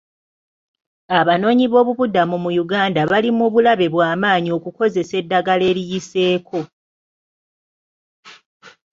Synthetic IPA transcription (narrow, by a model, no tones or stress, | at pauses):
aβano̞ːɲiβo̞ːβuβudamumujuɡaːndaβalimuβulaβe̞βwaːmaːɲio̞kuko̞ze̞se̞dːaɡale̞ːɾijise̞ːkʰo̞